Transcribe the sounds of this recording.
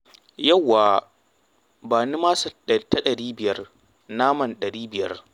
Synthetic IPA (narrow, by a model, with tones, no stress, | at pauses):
jɐ˦˨wːaː˨ | baː˨ni˦maː˦sɐ˨ɗɐ˨˦tːa˦ɗɐ˨ɽiː˦bɪ˨jɐ˦r | naː˦mɐ˨nɗɐ˨ɽiː˦bɪ˨jɐ̰˦r